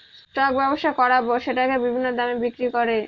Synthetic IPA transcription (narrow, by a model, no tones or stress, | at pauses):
ʈak̚bɛboʃʈakɔɾaboʃeʈakebibʱinːod̪amebikɾikoɾe